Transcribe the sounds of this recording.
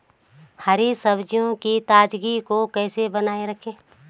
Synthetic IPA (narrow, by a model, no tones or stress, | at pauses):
həɾisəbd͡ʒijõkit̪aːd͡ʒɡikokɛːsebənaːeɾɐkʰẽː